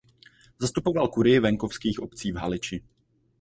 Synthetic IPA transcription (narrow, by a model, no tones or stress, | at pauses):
zast̪upo̞valkuɾɪjɪvɛŋko̞fskiːxʔo̞pt͡siːvɦa̰lɪt͡ʃɪ